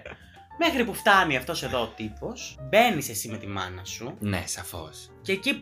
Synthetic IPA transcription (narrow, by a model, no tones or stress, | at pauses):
mexɾipuft̪ɐniɐft̪o̞se̞ðo̞ːt̪ipo̞sbe̞nise̞sime̞t̪imɐ̰nɐsunḛsɐfo̞̰s | ceːci